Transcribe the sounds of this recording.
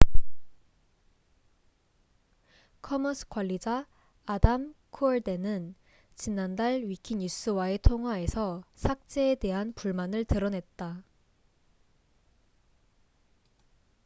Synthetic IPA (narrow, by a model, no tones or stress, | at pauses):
kʰʌmʌsʰɯ̥k͈waʎːid͡ʑaː | damkʰoeɭde̞nɯn | t͡ɕinandaɭɥikʰiɲus͈ɯwae̞tʰoŋɦwae̞sʰʌsʰak̚t͡ɕ͈e̞ːde̞ɦanpuɭmanɯɭtɯɾʌnɦe̞t̚t͈a